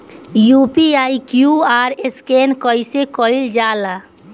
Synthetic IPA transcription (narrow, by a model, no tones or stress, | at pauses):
juːpiaːikjuaːɾeskeːnkəisekɔild͡ʒaːla